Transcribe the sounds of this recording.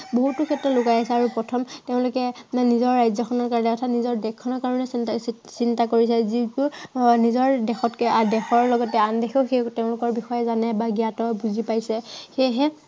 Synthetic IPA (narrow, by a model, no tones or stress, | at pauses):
boɦutːʊkʰɛtɹɔtlʊkajasɛaɹupɹɔtʰɔmteʊ̃lʊkɛnizɔɹːajzɔkʰɔnɔɹkaɹɔnɛɔtʰanizɔɹdɛkʰːɔnɔɹkaɹɔnɛs | sintakoɹisɛzitunizɔɹdɛxɔtkɛʔadɛxɔɹlɔɡɔtɛandekʰɛxejteʊ̃lʊkɔɹbixɔjɛzanɛbaɡijatɔbuzipajsɛxejɦɛ